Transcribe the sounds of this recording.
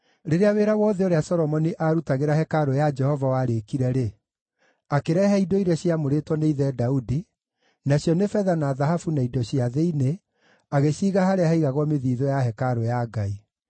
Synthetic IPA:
ɾeɾeaweːɾawɔðɛoɾeasɔɾɔmɔniʔaɾutaɣeɾahɛkaɾojad͡ʒɛhɔvawaɾekiɾɛɾe | akeɾɛhɛidɔiɾɛɕjamoɾetwɔneiðɛdaudi | naɕjɔnefɛðanaðahafunaidɔɕjaðeine | aɣeɕiːɣahaɾeahaiɣaɣwɔmeðiːðɔjahɛkaɾojaɡai

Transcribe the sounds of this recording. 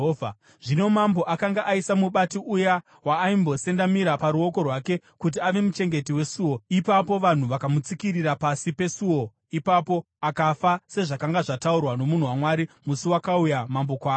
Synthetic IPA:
a | ʐino̞mambo̞ʔakaŋɡaʔaisamuɓatiʔuja | waːimbo̞se̞ndamiɾapaɾuo̞ko̞rwake̞ | kut̬iaʋe̞mut͡ʃe̞ŋɡe̞tiwe̞suwo̞ipapo̞ʋan̤uʋakamut͡sikiɾiɾapasipe̞suwo̞ | ipapo̞ | akafase̞ʐakaŋɡaʐataurwano̞mun̤uwamwaɾimusuwakaujamambo̞kwaː

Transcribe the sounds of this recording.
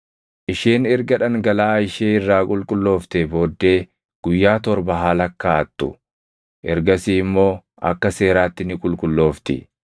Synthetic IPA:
ʔɪʃeːnɛɾɡɐᶑɐŋɡɐlaːɪʃeːɪrːaːkʼʊlkʼʊlːo̞ːft̪ebo̞ːd̪ːe̞ː | ɡ̥ʊjːaːt̪ɔɾbɐɦaːlɐkːaːt̪ːʊ̰ | ʔɛɾɡɐsiːɪmːo̞ː | ʔɐ̰kːɐse̞ːɾaːt̪ːɪnɪkʼʊlkʼʊlːo̞ːft̪ɪ̰

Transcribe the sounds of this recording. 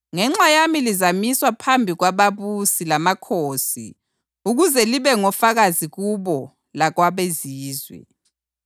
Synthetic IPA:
ŋɛŋ͡ǁajamilizamiswapʰambʱiɣwaβaβusilamakʰoːsḭ | uɣuzɛliβɛŋɔfaɣaziɣuβɔ | laɣwaβeziːzwɛ̰

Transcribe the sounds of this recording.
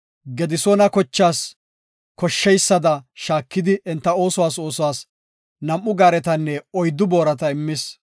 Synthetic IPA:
ɡɛd̪ɪsonɐkɔt͡ʃːaːs | kɔʃːɛjsːɐd̪ɐʃaːkːɪd̪ɪʔɛnt̪ːɐo̞ːsɔwaːso̞ːsɔwaːs | nɐmʔːʊɡaːɾɛt̪ɐnːɛɔjd̪ʊboːɾɐt̪ɐɪmːɪs

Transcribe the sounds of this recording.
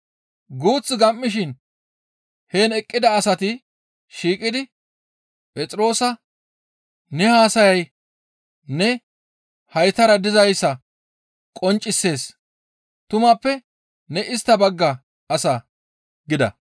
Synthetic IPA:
ɡuːt͡sʼːɪɡɐmːɪʃɪn | he̞ːnɛkʼːɪd̪ɐːsɐt̪ɪ | ʃiːkʼɪd̪ɪ | pʼɛt͡sʼɪɾo̞ːsɐ | nɛhaːsɐjɐj | nɛ | hɐjt̪ɐɾɐd̪ɪzɐjsːɐ | kʼɔnt͡ʃʼːɪsːe̞ːs | t̪ʊmɐpːɛ | nɛɪst̪ːɐbɐɡːɐ | ɐsɐ | ɡɪd̪ɐ̰

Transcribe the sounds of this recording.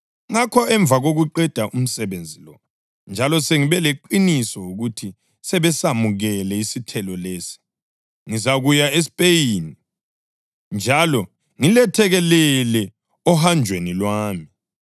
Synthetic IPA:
ŋakʰɔɛɱb̪vʱaɣoɣuǃɛd̥ʱaʔum̩sɛβend͡zʱilɔ | nd͡ʒʱalɔseŋiβɛleǃinisɔuɣutʰi | sɛβɛsamuɣɛlɛisitʰɛlɔleːsi̥ | ŋizaɣujaes̬i̥pʼejini | nd͡ʒʱalɔ | ŋilɛtʰɛɣɛlɛlɛ | ɔɦand͡ʒʱwenilwaːmi

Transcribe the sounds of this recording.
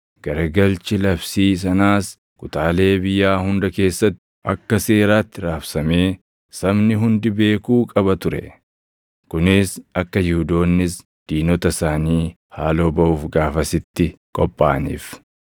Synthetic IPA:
ɡ̥ɐɾɐɡɐlt͡ʃɪlɐfsiːs̬ɐnaːs | kʼʊt̪aːle̞ːbɪjːaːhʊnd̪ɐke̞ːsːɐt̪ːɪ̥ʔɐkːɐse̞ːɾaːt̪ːɪɾaːfsɐmeː | sɐbnɪɦʊnd̪ɪbe̞ːkuːkʼɐbɐt̪ʊɾɛ̰ | kʊnɪsɐkːɐjɪhud̪o̞ːnːɪs | d̪̥iːnɔt̪ɐsaːniː | haːlo̞ːbɐʔuːfɡaːfɐsɪt̪ːɪkʼɔpʼːa̰ːnḭːf

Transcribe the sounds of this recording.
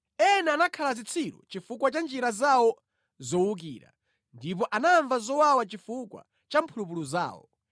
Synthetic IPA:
ɛnɛanakʰalazit͡sʰiɾɔ̰t͡ʃifukwat͡ʃand͡ʒiɾazawɔ | zɔwuk̬ḭːɾa̰ | ndip̬ɔʔanaɱvazɔwawat͡ʃifukwa̰ | t͡ʃampʰulup̬uluza̰ːwɔ̰

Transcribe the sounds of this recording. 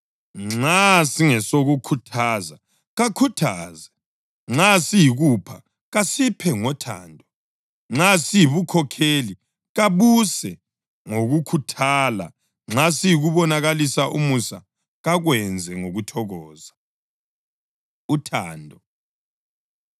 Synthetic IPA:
ŋ͡ǁŋ͡ǁasiŋɛsoɣukʰutʰaːza | ɣakʰutʰaːzɛ | ŋ͡ǁasijiɣupʰa | ɣasipʰɛŋɔtʰa̰ːndʱɔ | asijiβukʰɔkʰeli | ɣaβusɛ | ŋoɣukʰutʰaːla̰ | ŋ͡ǁasijiɣuβɔnaɣalisaʔumusa̰ | ɣaɣwɛnd͡zʱɛŋoɣutʰɔɣɔːza | utʰaːndʱɔ

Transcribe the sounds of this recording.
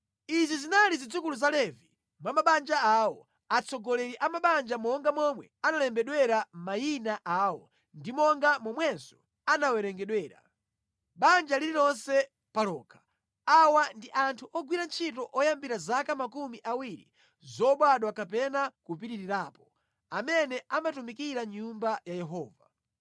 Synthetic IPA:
izizinalizid͡zukuluzalɛvi | mwamaɓand͡ʒaawɔ | at͡sʰɔɡɔlɛɾiʔamaɓand͡ʒamɔŋɡamɔmwɛ̰analɛmbɛɗwɛɾam̩majinaʔaːwɔ | ndimɔŋɡamɔmwɛnzɔ | anawɛɾɛŋɡɛɗwɛːɾa̰ | ɓand͡ʒaliɾiɾɔnsɛ | palɔːkʰḁ | awandiʔantʰuʔɔɡwiɾant͡ʃʰitɔʔɔjambiɾazakamakumiʔawiɾḭ | zɔɓwaɗwakapɛnakup̬iɾiɾiɾaːpɔ̥ | amɛnɛʔamatumikiɾaɲumbajajɛɦɔːva

